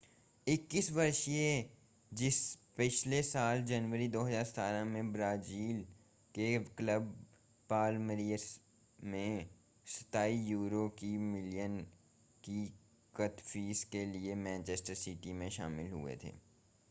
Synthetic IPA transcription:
ɪkːɪsʋɐɾʃie | d͡ʒɪspɪt͡ʃlesaːld͡ʒɐnʋəɾid̪oːɦəzaːɾsə̥t̪aːɾamẽbɾaːziːl | kekləb̚ | paːlməɾijəɾs | mẽ | sə̥t̪aːijuːɾokimɪlijən | ki | kət̪fiːskeliemɛ̃ːnt͡ʃɛːsʈəɾsɪʈimẽʃa̰ːmɪlɦṵḛt̪ʰḛː

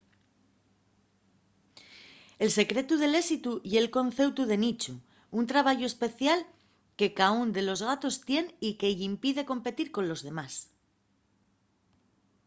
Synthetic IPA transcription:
e̞lse̞kɾe̞t̪uð̞e̞le̞sit̪uje̞lko̞n̟θe̞wt̪uðe̞nit͡ʃu | unt̪ɾaβaʝoespe̞θjal | ke̞kaund̪e̞lo̞zɣat̪o̞st̪je̞nikeʝimpiðe̞ko̞mpe̞t̪iɾko̞nlo̞zðe̞mas

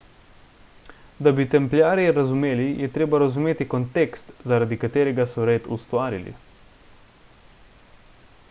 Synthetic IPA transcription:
d̪abit̪ɛmpljaːɾjɛɾazumeːlijɛt̪ɾeːbaɾazumeːt̪ikɔnt̪eːkst̪zaɾad̪ikat̪eːɾɛɡasɔɾeːt̪ust̪ʋaːɾḭlḭ

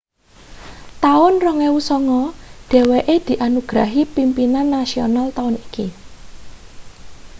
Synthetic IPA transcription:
t̪aʊnrɔŋewusɔŋɔɖ̥ɛ̤weʔed̪̥i̤ʔanuɡ̥ɾaɦipimpinanːasionalt̪aʊniki

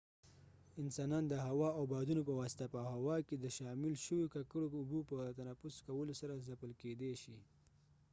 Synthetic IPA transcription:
ɪnsɑnɑnd̪əɦawɑawbɑd̪unopəwɑsɪ̥t̪apəhawɑked̪əʃɑmɪlʃəwikakəɽoʊbupət̪anafʊskawəlosaɾazapəlked̪eʃi

